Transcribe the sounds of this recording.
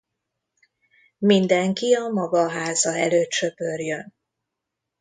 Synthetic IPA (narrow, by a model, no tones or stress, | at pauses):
mind̪ɛŋkiɒmɒɡɒɦaːzɒɛ̰løːt̪ʃø̞pø̞rjøn